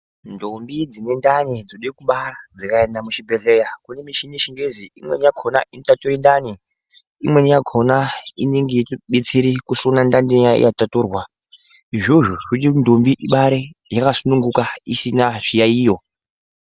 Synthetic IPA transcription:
ndombid͡zine̞ndanid͡zoɗekuɓarad͡zakaendamut͡ʃibʱeɮejakunemiʃiniʃiŋɡeziḭmwenijaɡʰʱonaʔintatuɾindani | imwenjaɡʰʱonainiŋɡitiɓet͡siɾikusonandandijaḭjatatuːrwa | iʐoʐoʐutindombiʔiɓaɾejakasunuŋɡukaisinaʐ̥ijaiːjo̞

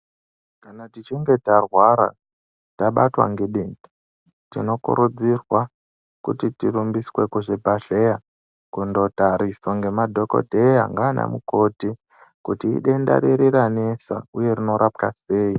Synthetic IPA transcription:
kanatit͡ʃiŋɡetarwaɾa̰ | taɓatwa̰ŋɡeɗii | tḭno̞kṵɾud͡zirwa | kutitiɾumbiswe̞kuʐebʱaɬeja | kundo̞taɾisoŋɡe̞madʱo̞ko̞̰dʱejaŋɡaːna̰muko̞ti | kutḭːɗe̞nda̰ɾiɾiɾanesa̰uje̞rino̞ɾʔap̚kase̞ːi

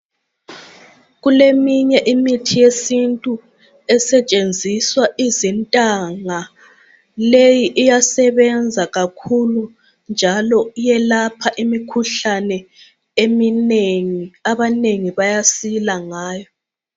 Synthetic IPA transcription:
ɣulemiɲɛʔimitʰijesintʼu | ɛsɛt͡ʃʼend͡zʱiswaʔizintʼaŋa | lejiʔːjasɛβɛnd͡zʱaɣakʰulu | nd͡ʒʱalɔjɛlapʰaʔimikʰuɬanɛ | emineŋiaβaneŋiβajasilaŋaːjɔ

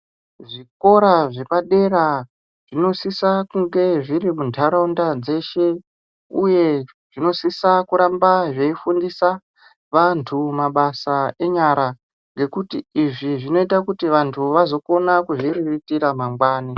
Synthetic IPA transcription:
ʐiko̞ɾaʐe̞paɗe̞ɾa | ʐ̥ino̞sisakuŋɡe̞ʐiɾimundʰʱaɾondad͡ze̞ʃe̞ | uje̞ | ʐ̥ino̞sisakuɾambaʐe̞ifundisa | ʋantʰumaɓasae̞ɲaɾa | ŋɡe̞kutiːʐiʐino̞itakutiʋantʰuʋazo̞ko̞nakuʐiriritiɾamamɡwaːni

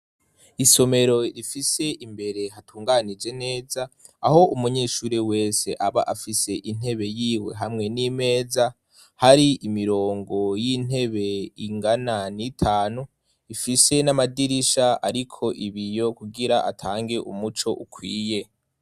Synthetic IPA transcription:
iso̞me̞ɾo̞ɾifise̞ʔimbe̞ɾe̞ɦatʰuːŋɡanid͡ʒe̞ne̞ːzaː | ho̞ʔumuɲe̞ːʃuːɾewe̞ːse̞ʔaβaʔafise̞ʔin̥he̞βe̞jiwe̞̰ɦamŋe̞nime̞ːza | haɾiʔimiɾo̞ːŋɡo̞jin̥e̞βe̞iŋɡananitʰaːnu | ifise̞namadiɾiʃaaɾikʰo̞ʔiβijo̞kuɡiɾaʔatʰaːŋɡe̞ʔṵmut͡ʃo̞ʔukʰwiːje̞

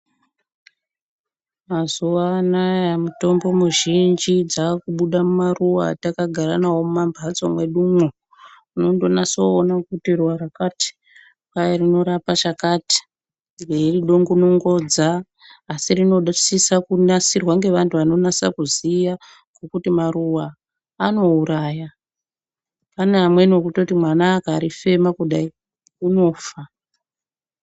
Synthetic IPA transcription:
mazuʋanajamuto̞mbo̞muʒind͡ʒid͡zakuɓuɗamumaruwatakaɡʱaɾanawo̞mumambʱat͡somwe̞ɗumo | uno̞ndo̞nasoːnakutirwaɾakati̥ | kajerino̞ɾapat͡ʃakati̥ | ŋɡeiriɗo̞ŋɡonoŋɡo̞d͡zaː | sirino̞ɗsisakunasirwaŋɡe̞ʋantʰuʋano̞nasa̰kuzija | ŋɡokutimaruwaː | no̞uɾaːja | panaamwe̞nokutotimwanaːkaːɾife̞makuɗai | uno̞ːfa

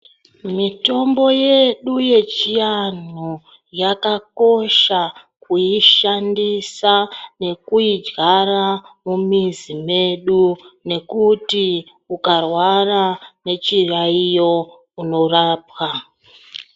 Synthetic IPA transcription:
mito̞mbo̞je̞ɗuje̞t͡ʃijano | jakako̞ʃa | kuiʃandisane̞kuid͡ʒɡaramumizime̞ɗune̞kuti | ukarwarane̞t͡ʃiraijo̞ | uno̞raːp̚wa

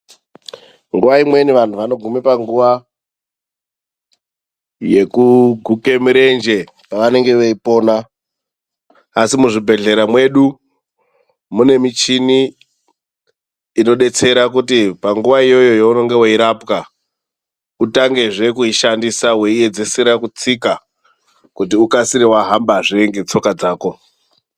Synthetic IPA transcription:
ŋɡuʋaimwe̞niʋan̤ʰuʋano̞ɡʱumepaŋɡuʋa | je̞kuɡʱuke̞miɾe̞nd͡ʒe̞ | paʋane̞ŋɡe̞ʋeipo̞ːna | simuʐibʱe̞ɮe̞ɾamwe̞ɗu | mune̞mit͡ʃini | no̞ɗe̞t͡se̞ɾakutipaŋɡuʋaijo̞jo̞jouno̞ŋɡe̞weiɾapka | utaŋɡe̞ʐe̞kuiʃandisawe̞ie̞d͡ze̞seɾakut͡sika | kutiukasiɾiwaɦambaʐieŋɡe̞t͡so̞kad͡zaːko̞

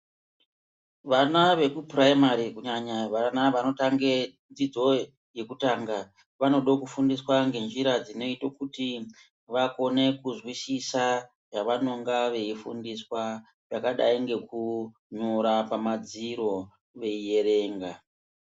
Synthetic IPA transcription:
ʋanaʋe̞kupraimaɾikuɲaɲaʋanaʋanotaŋɡe̞ | d͡zid͡zo̞ | je̞kutaːŋɡa | ʋano̞ɗokufundiswaŋɡe̞nd͡ʒiɾad͡zino̞itokuti | ʋako̞ne̞kuzwisisa | jaʋano̞ŋɡaʋe̞ifṵndiswa | jakaɗa̰iŋɡe̞ku | ɲoɾapamad͡ziɾo̞ | ʋe̞ije̞ɾe̞ːŋɡa

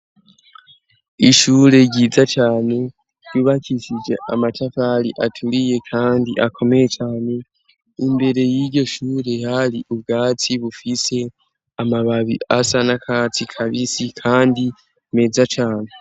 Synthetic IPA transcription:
iʃuːɾe̞ɟiːzat͡ʃaːne̞̥ | juːβakiʃid͡ʒe̞̰ʔamatafalḭʔatʰuɾije̞kʰaːndiʔakʰo̞me̞je̞t͡ʃaːne̞ | imbe̞ɾe̞jiɾɟo̞ʃuːɾe̞haliʔubɡaːt͡siβufise̞ | amaβaβḭasanakʰat͡sikʰaβisikʰaːndi | me̞ːzat͡ʃaːne

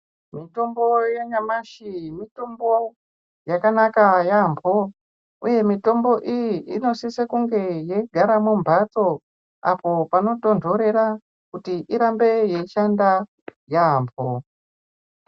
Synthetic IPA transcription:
mito̞mbo̞jeɲamaʃimito̞mbo | jakanakajambʱo | uje̞mito̞mbo̞ʔijiʔino̞sisekuŋɡe̞jeɡʱaɾamumbʱato̞ | a̰po̞pano̞to̞ndʱo̞ɾe̞ɾa | kutiʔiɾambe̞je̞iʃanda | jaɦmpo

